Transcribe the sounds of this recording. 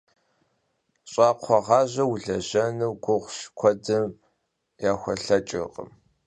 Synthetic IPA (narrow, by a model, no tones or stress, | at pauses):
ɕʼɑːqʷʰɔʁɑːʑɐwɮɐʑɐnɨwɡʷʊʁʷʃkʷʰɔdɨm | jaːxʷɔɬɐt͡ʃʼɨ̰ʁə̰m